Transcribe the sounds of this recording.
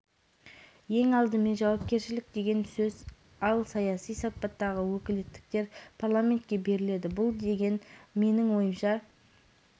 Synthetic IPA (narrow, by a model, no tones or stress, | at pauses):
je̞ŋɑlˠd̪əme̞nʒɑwɑp̚kʲe̞ɾʃɪlɪk̚d̪e̞ɡʲe̞nsɵz | ɑlˠsɑjɑsijsɑp̚pːɑt̪ːɑʁəwɵkʲɪlet̪ːɪ̥k̚t̪e̞ɾpʰarlˠamʲe̞nt̪̚kʲe̞be̞ɾɪle̞d̪ɪbʊlˠd̪e̞ɡʲe̞nme̞nɪŋwo̞jəmʃɑ